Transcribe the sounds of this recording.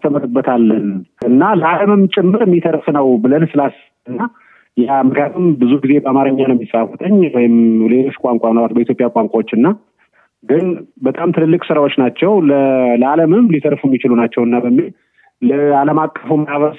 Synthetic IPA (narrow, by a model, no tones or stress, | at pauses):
t̪ʰəməɾɨbːət̪ʰalːənʔɨnːaləʔaləmɨmt͡ʃʼɪmːɨɾmːit̪ʰəɾfnəwbɨlənsɨlas | ɨnːa | jamɨkjat̪ʰɨmbɨzuɡize̞bəamaɾɨɲːanəwɛmːisʼafət̪ʰəɲːwɔjɪmle̞lo̞t͡ʃːkʼaŋkʷʼanawat̪bəit̪ʰjo̞pʼjakʷʼaŋkʼawot͡ʃːɨnːa | ɡɨnbət̪ʼamt̪ʰɨlɨlːɨkʼsɨɾawo̞t͡ʃːnat͡ʃːɛwlələaləmɨmlit̪ʰəɾfumːit͡ʃɪlunat͡ʃːɛwɨnːabəmːil | ləaləmakʼːəfumːajaβəs